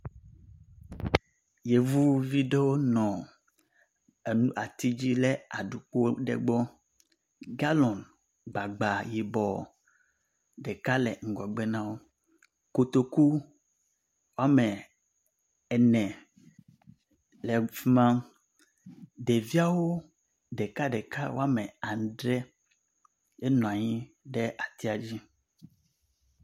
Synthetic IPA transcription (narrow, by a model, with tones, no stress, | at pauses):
je˨vu˦vi˦ɖe˦wo˦nɔ̃˨ | e˨nũ˦ʔa˨t̪i˦d͡ʑi˦le˦a˨ɖu˨k͡po˦ɖḛ˨ɡ͡bɔ˦ | ɡa˦lɔ̃˨n | ɡ͡ba˨ɡ͡ba˨ji˨bɔ˨ | ɖɛ˨ka˦lɛ̰˨ŋ̩˨ɡɔ˨ɡ͡be˦nã˦wo˦ | ko˦t̪o˨ku˦ | wo˦a˦mɛ˨ | ɛ˨nɛ̃˨ | lɛ˨fi˦mã˦ | ɖe˨vi˦a˦wo˦ | ɖɛ˨ka˦ɖɛ˨ka˦wo˦a˦mɛ˨ã˨nɖɾɛ˦ | e˦nɔ̃˨a˨ɲĩ˦ | ɖɛ˦ʔa˨t̪i˦a˨d͡ʑi˦